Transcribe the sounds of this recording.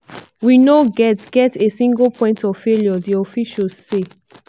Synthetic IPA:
winoɡɛtɡ̥ɛtesĩŋɡpʰɔ̃ɪ̃ntɔfeljɔdiɔfiʃɔsse

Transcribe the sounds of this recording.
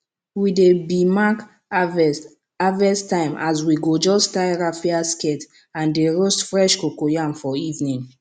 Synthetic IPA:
widebimak | avɛstãɪ̃mʔa̰swiɡod͡ʒɔstaɪɹafiaskɛt | ãndeɹostfɹɛʃkokojãmfɔivnĩn

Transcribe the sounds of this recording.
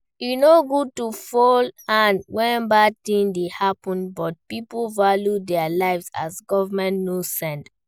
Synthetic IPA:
junoɡud̚tufɔlãnwɛ̃batĩŋdehapɔ̃nbɔt̚pipulvaljudɛalaɪvza̰sɡɔvamɛ̃ntnosɛ̃nd

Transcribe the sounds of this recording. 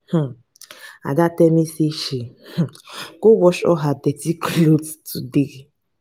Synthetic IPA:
h̩ | a̰datɛmeseʃeh̩kowɔʃɔ̰ɦadɛtiklottudiɣi

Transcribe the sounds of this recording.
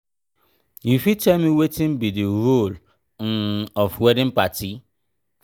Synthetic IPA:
jufitɛlmiwetɪ̃mbidiɾol | n̩ɔfwɛdɪ̃m̩pati

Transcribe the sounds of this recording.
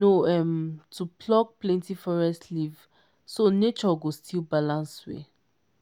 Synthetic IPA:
oɛmtupʰlɔk̚plɛ̃ntifɔɹɛstliv | sonet͡ʃɔɡostʰilbalãnswḛ

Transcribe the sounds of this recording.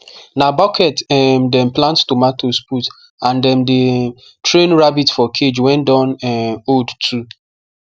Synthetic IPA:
nabɔkʰɛtɛmdɛ̃mplãnttomatosput | ãndɛ̃mde | tɹẽnɹabitfɔkʰed͡ʒwɛ̃ndɔ̃nɛodtʰu

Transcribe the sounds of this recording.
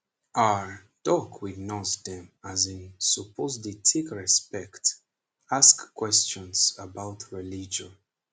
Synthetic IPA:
aɹ | d̥ɔkʰwidnɔsdɛ̃mazĩnsupʰozditʰikɹɛspɛkt | askːwɛst͡ʃɔ̃nsəbaʊtʰɹilid͡ʒɔ̃n

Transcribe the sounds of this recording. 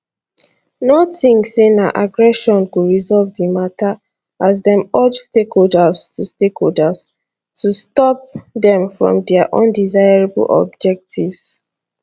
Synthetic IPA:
nɔtĩŋsenaʔaɡɹɛʃɔ̃nkuɹizɔlvdimatʰa | azdɛ̃mɔd͡ʒstekholdastustekholdas | tustɔp̚dɛ̃mfɹɔ̰̃mdɛaʔɔ̰̃ndizajɹebə̰lʔɔ̰b̚d͡ʒɛk̚tʰivs

